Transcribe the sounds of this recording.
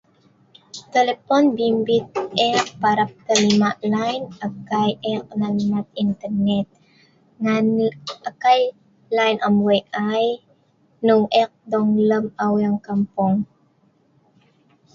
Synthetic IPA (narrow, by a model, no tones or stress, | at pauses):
t̪ɛlɛponbimbit̪̚ʔɛk̚paɾap̚t̪alimaʔlajnaɡ̚kːajʔɛk̚nalmat̪̚int̪ɛɾnɛt̪̚ | ŋanʔakaj | lajnamweʔaj | nʊŋʔɛk̚d̪oŋləmawaŋkampoŋ